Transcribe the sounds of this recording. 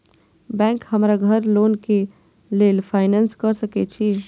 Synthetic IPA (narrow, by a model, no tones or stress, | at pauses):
bɛ̃ːŋkhəmɾaɡʱəɾloːnke | leːlpʰaːɪnɛ̃ːnskəɾsəket͡ʃʰiː